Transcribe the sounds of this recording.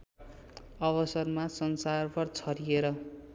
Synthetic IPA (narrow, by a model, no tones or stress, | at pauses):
ʌβʌsʌrmasʌnsarpʰʌrt͡sʰʌɾieɾʌ